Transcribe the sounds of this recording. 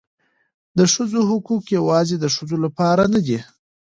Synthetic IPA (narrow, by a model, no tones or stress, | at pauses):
d̪əʂəzoɦʊkukjawɑzed̪əʂəzolapɑɾanad̪i